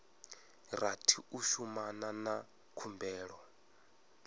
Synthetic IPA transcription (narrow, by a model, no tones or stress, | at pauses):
ratʰiuʃumanana | kʰumbɛːɺɔ